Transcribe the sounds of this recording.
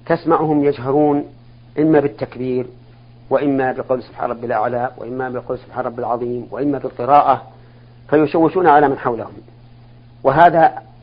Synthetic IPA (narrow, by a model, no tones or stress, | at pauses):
t̪asmaʕʊhʊmjad͡ʒɦaɾuːn | ʔɪmːabɪt̪ːakbiːɾ | wɪʔɪmːabɪqɑwlsʊb̥ħa̰nˤɑbːɪlʔa̰ʕlawɪ̰ʔɪmːabɪqɑwlsʊb̥ħaːnˤɑbːɪlʕɑðˤiːmwaʔɪmːabɪlqɨɾɑːʔa | fajʊʃawːɪʃuːnʕalamanħawlahʊm | wɪɦaːða